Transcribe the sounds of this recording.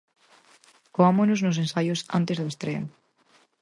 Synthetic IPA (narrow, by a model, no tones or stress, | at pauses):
koamonoznos̬ensajosa̰nt̪ezðʊest̪ɾen